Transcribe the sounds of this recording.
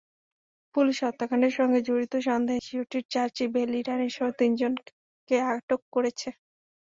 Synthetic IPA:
puliʃɔt̪ːakʰaneɾʃɔŋɡed͡ʑoɾit̪oʃ̬ɔnd̪eɦeʃioʈiɾt͡ɕaɾt͡ɕibeliɾaniʃɔɦot̪ind͡ʑon | keaɡaʈokːoɾet͡ɕʰe

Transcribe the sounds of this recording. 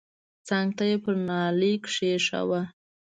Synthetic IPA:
t͡saŋɡt̪ajepəɾnɑlikʂeʂa̰wa

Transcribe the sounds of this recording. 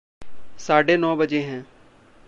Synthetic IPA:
saːɖeːnɔːbəd͡ʒeɦɛ̃ː

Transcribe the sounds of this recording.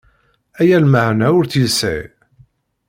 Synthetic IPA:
æjælməhnæʊɾθjəsæ̰

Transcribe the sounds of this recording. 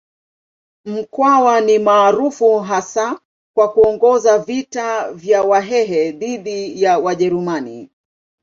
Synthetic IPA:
m̩kwawanimaːɾufuɦasa | kwakuɔŋɡɔzavitavjawaɦɛɦɛðiɗijawaʄɛɾumani

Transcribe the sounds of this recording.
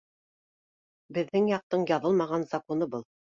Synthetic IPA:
bɘ̆ðːɘŋjɑq̚t̪ɤɴjɑðɤlˠmɑʁɑnzakonɤbɤlˠ

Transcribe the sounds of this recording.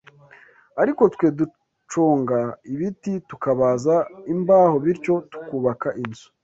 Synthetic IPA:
aɾiko̞tkwe̞ːdu | t͡ʃoːŋɡaiβititukaβazaimbaːho̞βiɾco̞tu̥kuːβakaʔinzu̥

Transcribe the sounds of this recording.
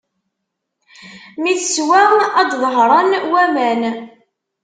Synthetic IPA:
miθəswææd̪ðəɦɾˤɑnwæmæn

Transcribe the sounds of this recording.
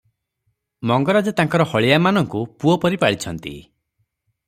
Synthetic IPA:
mɔŋɡɔɾad͡ʒɔt̪aŋkɔɾɔhɔɭiamanɔŋkupuɔpɔɾipaɽit͡ʃʰɔnt̪ḭ

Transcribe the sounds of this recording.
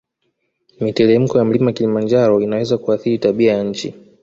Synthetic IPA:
mitɛlɛm̩kɔjam̩limaakilimand͡ʒaɾɔinawɛzakuaθiɾitaɓiajaɲ̩t͡ʃḭ

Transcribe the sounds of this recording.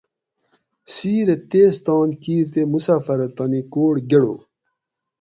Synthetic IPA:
siːɾet̪eːst̪ɑːnkiːɾt̪emusaːfɐɾɐt̪ɐnikoːɽɡeɽo

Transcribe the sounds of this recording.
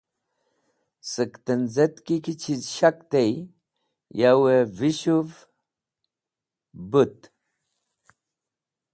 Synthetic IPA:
sɨkt̪ənd͡zet̪kikit͡ʃʰizʃakt̪ej | jaweviɕuv | but̪

